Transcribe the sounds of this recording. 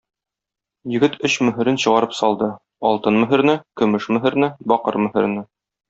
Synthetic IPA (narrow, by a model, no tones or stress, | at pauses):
jɘ̆ɡɘt̪ɵɕmɵ̆ɦɘ̆ɾɘnɕɤ̆ʁɑɾɤpsɒlˠd̪ɤ | ɒlˠt̪ɤnmɵ̆ɦɘ̆ɾnɘkɵ̆mɘʃmɵ̆ɦɘ̆ɾnɘbɒqɤ̰ɾmɵ̆hɘ̆ɾnɘ